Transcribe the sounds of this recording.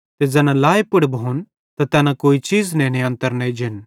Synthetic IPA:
t̪ed͡ʒɛːnãlaːepʊɽbʱon | t̪at̪ɛːnãkoːit͡ʃiːznɛ̃nɪjãnt̪əɾnɐid͡ʒʱɪn

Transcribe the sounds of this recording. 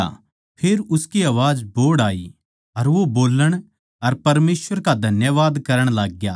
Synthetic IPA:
a̰ | pʰeɾʊskiaːʋaːd͡ʒboːɽaːḭ | ɐɾʋoboːləɽ̃ | ɐɾpɐɾmeːsʋəɾkad̪ʱɐnjəʋaːd̪kɐɾəɽ̃laːɡjaː

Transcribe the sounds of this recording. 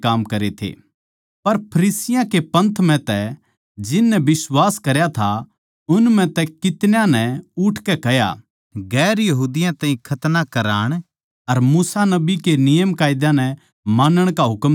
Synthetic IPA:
kaːmkɐɾet̪ʰḛː | pɐɾpʰɐɾiːsɪjãkepɐ̃nt̪ʰmɛ̃t̪ɛ | d͡ʒɪnːɛbɪswaːskɐɾjat̪ʰa | ʊnmɛ̃t̪ɛkɪt̪njãnɛ̃ʊʈʰkɛkɛɦja̰ | ɡɛːɾjɐɦuːd̪ɪjãt̪ãːɦĩkʰɐt̪nakɐɾaːɽ̃ | ɐɾmuːsanɐbikenɪjəmkaːɪd̪ãnɛ | maːnəɽ̃kaɦʊkm

